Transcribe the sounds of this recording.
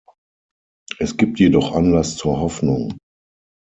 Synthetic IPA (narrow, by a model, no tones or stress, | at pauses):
ʔɛsɡ̥iːp̚tʰjedɔχʔanlast͡suːɐɦɔfnʊŋ